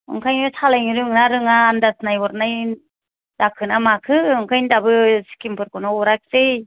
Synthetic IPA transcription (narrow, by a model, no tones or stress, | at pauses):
ɯ̰ŋkʰajɯtʰalajŋiɾɯŋnaɾɯŋaːndasnajɔɾnaj | dakʰɯnamakʰɯɯŋkʰajndabɯsi̥kʰimpʰɯɾkɔnaɔɾak̚zej